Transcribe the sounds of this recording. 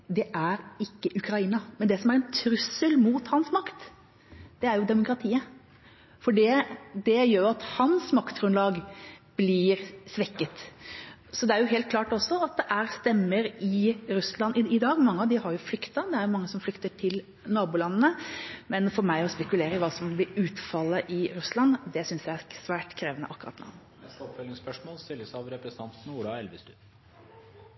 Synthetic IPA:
d̪ɛʔæɾɪkːəʔʉkʰɾɑiːnɑmɛnd̪ɛsɔmæɾɛnt̪ʰɾʉsəlmuːt̪hɑnsmɑkt̪ | d̪̥ɛæɾjʊd̪ɛmʊkɾɑt̪ʰiːə | fɔɖɛd̪ɛjøːɾjʊɑt̪hɑnsmɑkt̪ɡɾʉnlɑːɡb̥lɪɾsʋɛkːət̪ | sɔd̪ɛæɾjʊɦeːlt̪̚kʰlɑːʈɔsːɔɑt̪̚d̪ɛʔæɾst̪ɛmːəɾɪɾʉslɑnɪɪd̪ɑːɡmɑŋːəɑʋd̪ɪhɑɾjʊflʏkt̪ɑd̪ɛæɾjʊmɑŋːəsɔmflʏkt̪əʈʰɪl | nɑːbʊːlɑnːənəmɛnfɔɾmæɪɔspɛkʉleːɾəʋɑːsɔmblɪɾʉːt̪fɑlːəʔɪɾʉslɑnd̪ɛsʏnsjæɪæɾsʋæːʈkʰɾeːʋənə̰ʔɑkːʉɾɑ̰t̪nɑ̰ː | ɔpfœlɪŋspœʂmoːlst̪ɪlːəsɑʋɾɛpɾɛsn̩ʰɑnt̪n̩uːlɑɛlʋɪst̪ʉ

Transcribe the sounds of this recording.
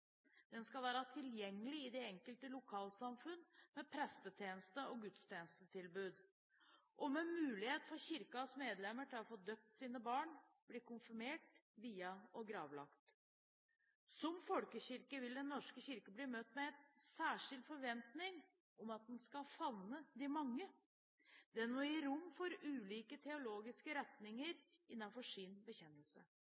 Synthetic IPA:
d̪̥ɛnskɑlʋæːɾɑt̪ʰɪljɛŋːəlɪɪd̪ɛɛŋkəlt̪əlʊkʰɑːlsɑmfʉnːmɛpʰɾɛst̪ət̪ʰjeːnəst̪əɔɡʉt̪st̪ʰjeːnəst̪ət̪ʰɪlbʉːd̪ | ʔɔmɛmʉːlɪheːt̪fɔɾçɪɾkɑsmeːd̪lɛmːəʈɪlɔfoːd̪øːp̚t̪siːnəbɑːɳ | bliːkʊnfɪmeːʈʋiːɑɔɡɾɑːʋlɑ̰kt̪ | sɔmfɔlkəçɪɾkəʋɪld̪ɛnːɔʂkəɕɪɾkəbliːmœt̪ːmɛɛt̪sæːʂɪld̪fɔɾʋɛnt̪nɪŋ | ɔmɑt̪̚d̪ɛnskɑfɑnːəd̪ɪmɑŋːə | d̪̥ɛænoːɪɾʊmːfɔɾʉːliːkət̪ʰɛʊloːɡɪskəɾɛt̪nɪŋəɾ | ɪnːɑnfɔʂɪːnbəçɛnːəlsə̰

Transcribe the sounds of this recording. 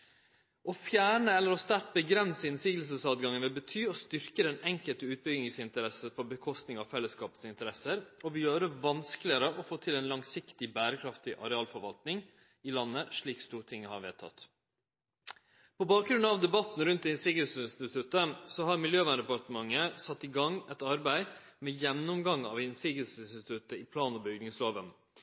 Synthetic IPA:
ʔɔfjæːɳəɛlːəɾɔst̪æɾt̪̚bəɡɾɛnsəɪnsiːɡəlsəsɑːd̪ɡɑŋənʋɛbət̪ʰyːɔst̪ʏɾkəd̪ɛnɛŋkəlt̪əʉːt̪̚bʏɡnɪŋsɪnt̪əɾɛsəpʰɔbəkʰɔst̪nɪŋɑʋfɛlːəskɑːpə̥sɪnt̪əɾɛsəɾɔʋɪjøːɾəʋɑnskəlɪəɾəʔɔfoːt̪ʰɪleːnlɑŋsɪkt̪ɪbæːɾəkʰɾɑft̪ɪʔɑ̰ɾɛɑːlfɔɾʋɑlt̪nɪŋ | ɪlɑnːəʂɭiːkst̪uːɾt̪ʰɪŋːəhɑɾʋɛ̰ːt̪ʰɑ̰t̪ | pʰɔbɑːk̚ɡɾʉnɑʋd̪ɛbɑt̪n̩ɾʉnt̪̚d̪ɛɪnsɪɡɛlsəɪnst̪ɪt̪ʰʉt̪ːəsɔhɑɾmɪljøːʋænd̪ɛpɑʈ̪əmɑŋːəsɑt̪ːɪɡɑŋɛt̪ɑɾbæɪ | mɛːjɛnnːɔmɡɑŋɑ̰ʋɪnsɪɡɛlsəsɪnst̪ɪt̪ʉt̪əɪpʰlɑːnɔbʏɡnɪŋsloːʋən

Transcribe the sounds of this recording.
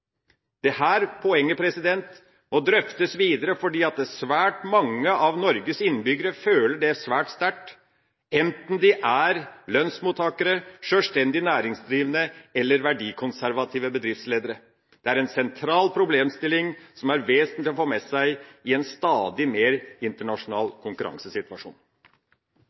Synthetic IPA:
d̪̥ɛhæːɾpʰɔɛŋːəpʰɾɛsɪd̪ɛnt̪ | mɔd̪ɾœft̪əsʋiːd̪əɾəfɔɖiːɑt̪̚d̪ɛsʋæːʈmɑŋːəʔɑʋnɔɾɡəsɪnːbʏɡəɾəføːləɖɛæʂʋæːʈst̪æʈ | ɛnt̪n̩d̪ɪʔæɾlœnsmuːt̪ʰːɑːkəɾəʂøːʂt̪ɛnd̪ɪnæːɾɪŋsd̪ɾiːʋənəɛlːəɾʋæɖiːkʰʊnsæɾʋɑt̪ʰiːʋəbəd̪ɾɪft̪sleːd̪əɾə | d̪̥ɛæɾɛnsɛnt̪ʰɾɑːlpʰɾʊbleːmst̪ɪlːɪŋsɔmæɾʋeːsənlɪɔfoːmɛsæɪɪɛnst̪ɑːd̪ɪmeːɾɪnt̪əɳɑʂʊnɑ̰ːlkʰʊŋkʉɾɑ̰ŋsəsɪt̪ʋɑʂṵːn

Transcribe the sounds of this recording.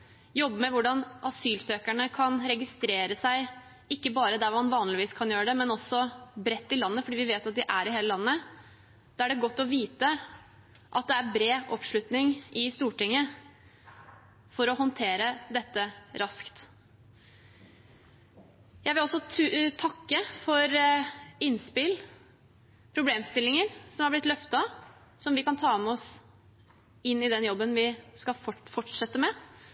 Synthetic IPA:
jɔbːəmɛʋʊɖɑnʔɑsyːlsøːkæɳəkʰɑnɾɛɡɪst̪ɾeːɾəsæɪ | ɪkːəbɑːɾəd̪æɾmɑnʋɑːnlɪʋiːskʰɑnjøːɾəɖ̪ɛmɛnɔsːɔbɾɛt̪ːɪlɑnːəfɔɖiːʋɪʋeːt̪ɑt̪̚d̪ɪʔæɾɪɦeːləlɑnːə | d̪̥ɑːæɖɛɡɔt̪ːɔʋiːt̪ə | ʔɑt̪̚d̪ɛæɾbɾeːɔpʂɭʉt̪nɪŋʔɪst̪uːʈɪŋːə | fɔɾɔɦɔnt̪ʰeːɾəd̪ɛt̪ːəɾʔɑskt̪ | jæɪʋɪlɔsːɔt̪ʰɑkːəfɔɾ | ɪnːspɪl | pʰɾʊbleːmst̪ɪlːɪŋəɾsɔmɑɾblɪt̪lœft̪ɑ | sɔmʋɪkɑnt̪ʰɑːɑmɔs | ɪnːɪd̪ɛnjɔbːənʋɪskɑfɔʈʂɛt̪ːəmɛ

